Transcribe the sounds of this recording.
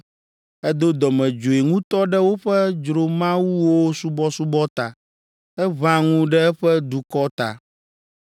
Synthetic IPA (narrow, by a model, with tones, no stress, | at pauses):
ɛ˦d̪o˦d̪ɔ˨mɛ̃˨d͡ʒo˨e˨ŋũ˦t̪ɔ˦ɖɛ˦wo˦ɸɛ˦d͡ʒɾo˨mã˦wu˦wo˦su˦bɔ˦su˦bɔ˦t̪a˨ | ɛ˦βã˦ŋũ˦ɖɛ˦ɛ˦ɸɛ˦d̪u˨kɔ˦t̪a̰˨